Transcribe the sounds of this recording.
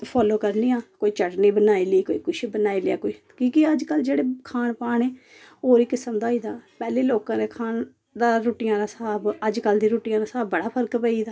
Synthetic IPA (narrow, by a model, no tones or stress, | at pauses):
pʰɔːloːkəɾniːaːkoːiːt͡ʃəʈniːbənaːiːliːkoːḭːkʊʃʰbənaːileja̰ːkoːiː | kĩːkɪəd͡ʒkəld͡ʒeːɽeːkʰaːnpaːɳeː | oːɾiːkɪsəmd̪aːiːd̪aːpɛːleːloːkãːd̪eːkʰaːn | d̪aːɾoːʈɪjãːd̪aːsəaːbəd͡ʒkəld̪ĩːɾoːʈɪjãːd̪aːsaːbːəɽaːpʰəɾkpəiːd̪aː